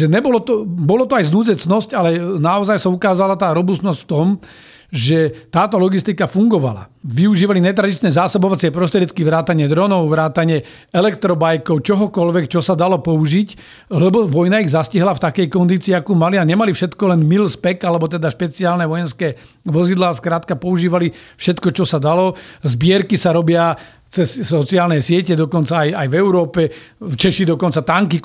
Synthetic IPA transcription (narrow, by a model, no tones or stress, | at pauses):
ʒɛɲɛbɔlɔt̪ɔbɔlɔt̪ɔajznuːzɛt͡snɔscalɛnaɔzajsaukaːzalat̪aːɾɔbust̪nɔscft̪ɔm | ʒɛt̪aːt̪ɔlɔɡist̪ikafuŋɡɔʋa̰la̰ʋiuʒiːʋaliɲɛt̪̬ɾad̪it͡ʃnɛːzaːsɔbɔʋat͡sɪɛpɾɔst̪ɾɪɛt̪kiʋɾaːt̪aɲɪɛd̪ɾɔnɔʊʋɾaːt̪aɲɛ | ɛlɛkt̪ɾɔbajkɔʊt͡ʃɔɦɔkɔlʋɛkt͡ʃɔsad̪alɔpɔuʒic | lɛbɔʋɔjnaiɣzasciɦlaft̪akɛjkɔnd̪iːt͡siːakuːmaliaɲɛmalifʃɛt̪kɔlɛnmilspɛkalɛbɔt̪̬ɛd̪aʃpɛt͡siaːlnɛʋɔjɛnskɛː | ʋɔzid̪laːskɾaːt̪kapɔuʒiːʋalifʃɛt̪kɔt͡ʃɔsad̪alɔzbɪɛɾkisaɾɔbɪa | t͡sɛssɔt͡siaːlnɛjsɪɛcɛd̪ɔkɔnt͡saːjajvɛʊɾɔːpɛft͡ʃɛʃid̪ɔkɔnt͡sat̪aŋki